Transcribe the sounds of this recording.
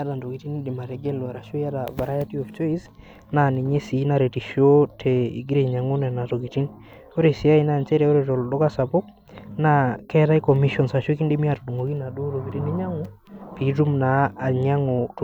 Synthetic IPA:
a˦ta˨ndo˨ki˨ti˦ni˦di˨ma˨ɾɛ˨ɡɛ˦lwa˨ɾa˨ʃo˦ja˦ta˨va˨ɾa˦ja˦ti˦ɔ˨ft͡ʃɔ˦i˦s | na˨ni˨ɲe˦si˨˦na˨ɾe˨ti˨ʃo˦tʰe˨ḭ˨ɡi˦ɾe˨ɲa˨ŋu˦nɛ˨na˨to˨ki˨ti˦n | o˦ɾe˨si˨a˦i˦na˦˨nt͡ʃɛ˦ɾɛ˨o˦ɾe˨to˨ldo˦ka˦sa˨po˦k̚ | na˦kɛ˦ta˦i˦kɔ˨mi˦ʃɔ˨nsa˨ʃo˦ki˦ndi˦mi˦a˨to˨du˨ŋo˨ki˦na˨du˦to˨ki˨ti˦ni˦ɲa˦ŋu˦ | pi˨tu˦mnaː˨˦˨ɲa˦ŋo˨t

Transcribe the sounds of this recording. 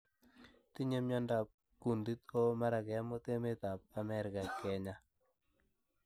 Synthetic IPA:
ti˦ɲe˦mɲɔ˦nda˨p̚ | ku˨ndi˦t̪o˦ma˦ɾa˨kɛ˨a˦mo˦t̪e˦me˦t̪a˨p̚a˨mɛ˦ɾɪ˨ka˨kɛ˨˦ɲa˦

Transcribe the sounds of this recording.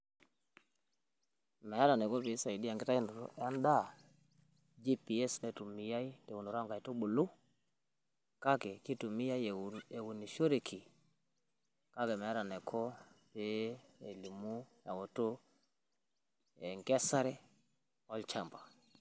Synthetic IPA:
mɛ˨a˦ɾa˨nɛ˨kɔ˦pi˨˦sa˨i˨di˦a˨ŋɡɛ˦ta˦i˦ndo˨ɾɔ̰˨ʔɛ˦nda˦˨ | d͡ʒi˦pi˨ɛ˦snɛ˨tu˨mi˦ja˦i˦tɛ˨wu˨no˨ɾa˦ŋɡa˨i˨to˦ɓo˨lu˦ | ka˦kɛ˨ki˦tu˨mi˦a˦i˦˨e˨wu˨ni˨ʃo˦ɾe˨kʰi˨ | ka˦kɛ˨mɛ˨a˦ɾa˨nɛ˨kʰɔ˦pe˨˦e˨li˨mu˦ja˨wo˨to˦ | ɛ˨ŋɡɛ˦sa˦ɾɛ˦ | ɔ˦lt͡ʃa˦˨mba˨

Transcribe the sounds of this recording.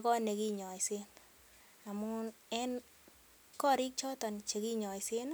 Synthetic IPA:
kɔ˦ne˨ki˦ɲɔ˨jse˦n | a˨mu˦ | ɛ˦n | kɔ˦ɾi˦k̚t͡ʃɔ˦tɔ˨nt͡ʃe˨ki˦ɲɔ˨jse˦n

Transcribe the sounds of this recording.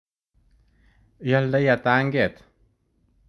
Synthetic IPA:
jald̪aja˨t̪a˦ŋɡe˨t̪

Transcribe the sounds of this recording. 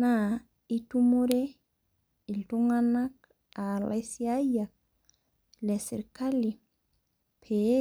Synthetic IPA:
na˨ | i˦tu˦mo˦ɾe˦ | i˨ltu˦ŋa˦na˦k̚ | a˨la̰sia˦ja˨k̚ | le˨sḭ˨ɾka˦li˨ | pʰe˨˦

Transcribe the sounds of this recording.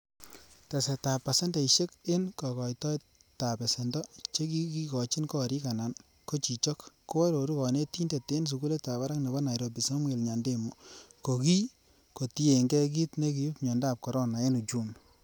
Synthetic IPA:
ta˨se˨ta˨pːa˨se˦ndɔ˨i˨ʃe˦kɪ˦nkɔ˨kɔ˨jtɔ˦j | ta˨pɛ˨se˨ndɔ˦t͡ʃe˦ki˦ki˦kɔ˨t͡ʃi˦nkɔ˦ɾi˦ka˨na˨n | ko˦t͡ʃi˨t͡ʃɔ˦kːo˦wɔ˦ɾo˨ɾu˦kɔ˨ne˦ti˦nde˨te˦ns̬u˨ɡu˦le˦ta˨βa˦ɾa˦kne˨bɔ˦na˨jɾo˨pi˨sɔ˦mwe˨lɲa˨nde˦˨mu˨ko˨ki˦ | ko˨ti˦e˨ŋɡɛ˦k̬i˦tne˦k̬i˨u˦pɲɔ˨ndaː˦˨p̚kɔ˨ɾɔ˦na˨e˦nu˨t͡ʃu˦n

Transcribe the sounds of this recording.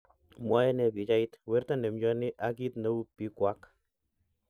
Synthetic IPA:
mwa˦jɛ˦nɛ˨bi˨t͡ʃa˦ɪt̪wɛ˦ɾta˦ne˨md͡ʒɔ˦nɪ˦ʔa˦ɡ̬i˦t̪na˦wpi˦kwa˦k

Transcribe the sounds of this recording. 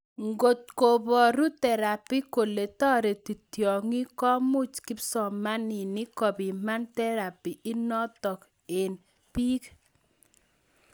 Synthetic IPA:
ŋɡo˨t̪̚ko˨bɔ˨ɾu˦tɛ˨ɾa˨pi˦ko˨le˨tɔ˦ɾe˨ti˨tjɔ˨ŋi˦kɔ˦mu˦t͡ʃki˦psɔ˨ma˦nɪ˨nɪ˦kɔ˨bi˨ma˦ntɛ˦ɾa˨pi˨ɪ˦nɔ˦tɔ˨k | e˨n | pi˦k

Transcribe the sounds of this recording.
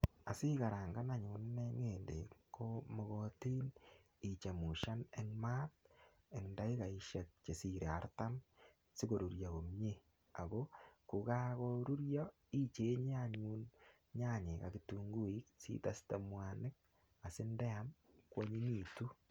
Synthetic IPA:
a˨si˦ka˨ɾa˨ŋɡa˦na˨ɲu˨nne˦ŋe˨nde˨ko˦mɔ˨ɣo˦tiː˦n | i˨t͡ʃa˨mu˨ʃa˦ne˨ŋmaː˦t̚ | e˨ŋda˦i˦ka˨i˨ʃɛ˨t̚t͡ʃe˨si˨ɾe˨a˨˦ɾta˦m | si˦ko˨ɾu˨ɾja˨ko˨mɲe˦ | a˨ɡo˦ku˨ka˦koɾu˦ɾjɔ˦ | i˦t͡ʃe˦ɲ˦a˦ɲu˦n | ɲa˦ɲe˨ka̰˨kituŋɡu˦i˦ksḭ˦ta˦sta˨mwa˨nɪ˦k̚ | a˨sɪ˦ndɛ˦a˦nkwo˦ɲi˦ɲi˨tu˦

